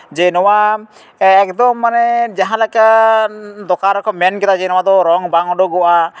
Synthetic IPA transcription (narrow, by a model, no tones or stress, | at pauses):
d͡ʒɛnɔwa | ɛkd̪ɔmːanɛd͡ʒaɦãlaka | d̪ɔkaɾɔkʰɔmɛnkɛt̪ad͡ʒɛnɔwad̪ɔɾɔŋbaŋɔɖɔɡɔʔa